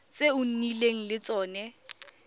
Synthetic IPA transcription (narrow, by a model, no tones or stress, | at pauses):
t͡sʼeʊn̩nileŋ̩lɪt͡sʼɔːnɛ